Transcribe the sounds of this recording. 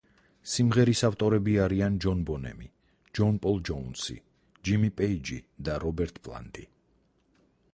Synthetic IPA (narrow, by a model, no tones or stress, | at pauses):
simʁɛɾisaft̪ʼɔɾɛbiaɾiand͡ʒɔnbɔnɛ̰mi | d͡ʒɔnpʼɔlˠd͡ʒɔunsḭ | d͡ʒimipʼɛid͡ʒḭd̪aɾɔbɛɾt̪ʼpʼlˠa̰nd̪i